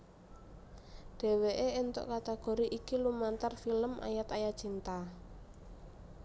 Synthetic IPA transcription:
ɖ̥e̤weʔeent̪ɔ̰ʔkat̪aɡ̥o̤ɾiʔikilumant̪arfiləmʔa̰jat̪ajḁt͡ʃint̪a

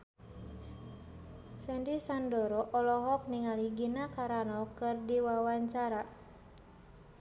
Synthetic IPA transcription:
sɛndisandɔɾɔʔɔlɔɦɔk̚niŋaliɡinakaɾanɔkɨrdiwawaɲt͡ʃaɾa

